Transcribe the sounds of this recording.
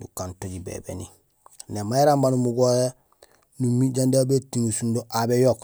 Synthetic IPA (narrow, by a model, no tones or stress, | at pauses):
dukantoɟibḛbḛni | nemaiɾambanumuɡoje | numiɟandabetiŋusundoʔabejok